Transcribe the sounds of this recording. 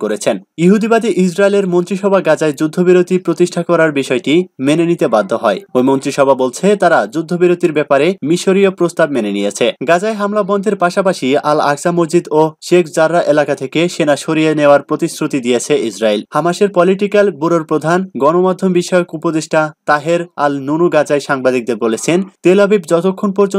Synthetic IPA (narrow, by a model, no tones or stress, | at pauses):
koɾet͡ɕʰenjuɦud̪ibad̪iʔid͡ʑʰɾaeleɾmont̪ɾiʃɔbʱaɡad͡ʑaed͡ʑud̪ʱːobiɾot̪ipɾot̪iʃʈʰakɔɾaɾbiʃɔeʈimenenit̪ebad̪ʱːoɦɔeojmont̪ɾiʃɔbʱabolt͡ɕʰet̪aɾad͡ʑud̪ʱːobiɾot̪iɾbɛpaɾemiʃoɾijopɾost̪ab̚menenijet͡ɕʰeɡad͡ʑaeɦamlabɔnd̪ʱeɾpaʃapaʃiala̰ksamod͡ʑid̪oʃekʰd͡ʑaɾːaʔelakat̪ʰekeʃenaʃoɾijeneoaɾpɾot̪isɾut̪id̪ijet͡ɕʰeisɾaelhamaʃeɾpɔliʈikalbuɾoɾpɾod̪ʱanɡɔnomad̪ʱːombiʃɔjokupod̪eʃʈat̪aɦeɾalnunuɡad͡ʑaeʃaŋbad̪ik̚d̪eɾbolet͡ɕʰent̪elabibd͡ʑɔt̪okʰːonpɔɾd͡ʑo